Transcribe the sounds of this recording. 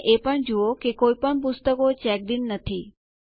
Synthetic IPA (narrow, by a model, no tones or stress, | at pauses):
ʔepəɳd͡ʒuokekoipəɳp̬ʊst̪əkot͡ʃɛk̚d̪inːət̪ʰi